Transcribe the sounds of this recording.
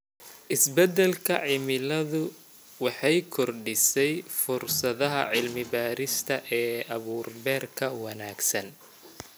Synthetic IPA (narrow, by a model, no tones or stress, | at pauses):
ʔɪsbɛd̪ɛlkʰɐʕɪmɪlɐðʊ | wɑħɑjkʰɔrɖɪsɛjfʊrsɐðɐɦɐ̰ʕɪlmɪbaːɾɪst̪ʰɐʔɛːɐβuːrbɛːrkʰɐwɑnaːɡsɐn